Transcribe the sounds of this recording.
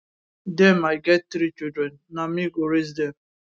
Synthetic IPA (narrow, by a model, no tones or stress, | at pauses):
dɛmaɪɡɛt̚t̪ɾit͡ʃidɾɛ̃nːamiɡoɾes̬dɛm